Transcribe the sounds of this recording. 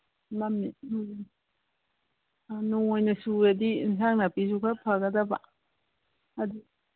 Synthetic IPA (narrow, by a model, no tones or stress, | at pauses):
mamːim | nuŋojnɐsuedisaŋnapizukʰapʰaɡɐdɐba | adi